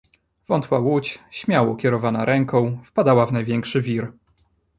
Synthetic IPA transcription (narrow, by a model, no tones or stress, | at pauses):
vɔnt̪wawut͡ɕɕmʲjawɔkʲɛɾɔvanaɾʔɛŋkɔ̃w̃fpad̪awavnajvʲjɛŋkʂɘvʲiɾ